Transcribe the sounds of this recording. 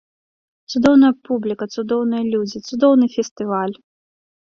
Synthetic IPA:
t̪sud̪ɔwnɐjɐpublʲikɐt̪sud̪ɔwnɨjɐlʲud͡zʲit̪sud̪ɔwnɨfʲɛst̪ɨvalʲ

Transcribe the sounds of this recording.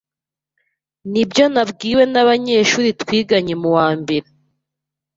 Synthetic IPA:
nibjonabɡiːwe̞naβaɲe̞ːʃuːɾitwiːɡaɲemuwaːmbe̞ɾe

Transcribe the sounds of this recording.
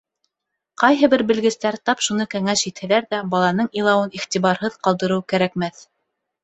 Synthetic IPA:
qɑjɦɤbɘɾbɘ̆lɡɘ̆st̪æɾt̪ɑpʃunɤkæŋæʃit̪hɘ̆læɾðæbɑlˠɑnɤɴilˠɑwɤniχt̪iβɑɾɦɤðqɑlˠd̪ɤ̆ɾɤwkæɾækmæθ

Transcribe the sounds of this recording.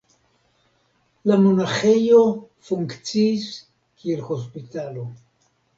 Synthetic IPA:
lamonaxe̞jo | fuŋkt͡siːs | kielho̞s̬pitalo̞

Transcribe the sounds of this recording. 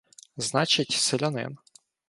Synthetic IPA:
znɑt͡ʃɪtʲselʲɔnɪ̰n

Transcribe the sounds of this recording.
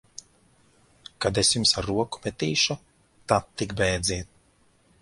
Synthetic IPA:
kad̪esjumsaɾːuɔku̥pet̪iːʃu | t̪at̪ːikbɛjd̪zʲiːɛt̪̚

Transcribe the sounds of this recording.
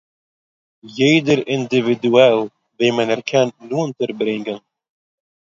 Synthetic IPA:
jeːd̪əɾɪnd̪ivid̪uɛl | veːmɛnɛɾkʰɛnːunt̪əɾbɾɪŋɡən

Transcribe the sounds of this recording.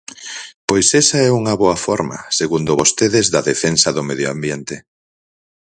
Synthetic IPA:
pojsɛsaɛuŋɐβoɐfɔɾmɐ̰seɣund̪ʊβost̪eðezðɐðefensɐðʊmeðjoambjent̪e

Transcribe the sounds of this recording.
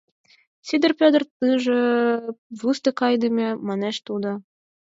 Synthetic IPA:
sʲid̪ɘ̆rpʲod̪rt̪ɨʒĕ | vust̪ɤ̆kɑjd̪ɨ̆mʲemɑneʃt̪ud̪ɤ̆

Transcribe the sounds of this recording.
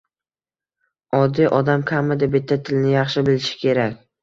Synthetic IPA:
ɒd̪ːijʔɒd̪amkʲʰamːad̪abɪt̪ʰːat̪ʰɪlnɪjɑχʃɪbɪlɪʃɪ̥kʲʰe̞ɾakʲ

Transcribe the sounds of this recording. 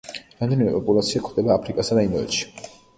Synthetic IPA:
ɾamd̪ɛnimɛpʼɔpʼulˠat̪sʰiakʰd̪ɛbaːpʰɾikʼasad̪aind̪ɔɛ̰t̪ʃi̥

